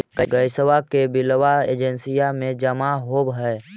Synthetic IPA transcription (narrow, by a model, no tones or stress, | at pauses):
kəɡəjsəʋakebɪlʋaḛːd͡ʒənsijamẽd͡ʒəmaɦobɦɛe